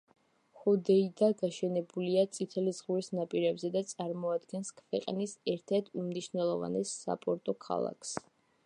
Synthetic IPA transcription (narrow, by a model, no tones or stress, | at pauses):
χɔd̪ɛid̪aɡaʃɛnɛbuliat̪sʼit̪ʰɛlizʁuɾisnapʼiɾɛbzɛd̪at̪sʼaɾmɔad̪ɡɛnskʰvɛqʼnisɛɾt̪ʰɛɾt̪ʰumniʃnɛlˠɔva̰nɛsːa̰pʼɔɾt̪ʼɔkʰa̰lˠa̰kʰs